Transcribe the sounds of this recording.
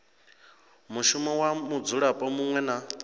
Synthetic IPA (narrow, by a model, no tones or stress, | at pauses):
muʃumɔwamud͡zuɺapʼɔmuŋwɛna